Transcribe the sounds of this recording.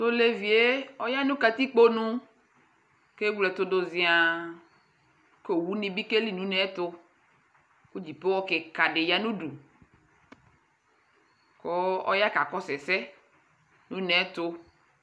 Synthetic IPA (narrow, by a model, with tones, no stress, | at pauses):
t̪o˦le˦vi˨e˦ɔ˦ja˦nũ˦ka˨t̪i˦k͡po˦nũ˦ | ke˦wlɛ˨t̪o˨do˨zi˨a˨ | ko˨wu˦nĩ˦bi˦ke˦li˦nũ˨˦nɛ˨˦t̪o˧ | ku˦d͡ʒi˨pe˦wɔ˦ke˨ka˨ɖɪ˨ja˦nũ˦du˨ | ko˦ɔ̰˦ja˦ka˨kɔ˦sɛ˨sɛ˦ | nũ˨˦nɛ˨˦t̪o˧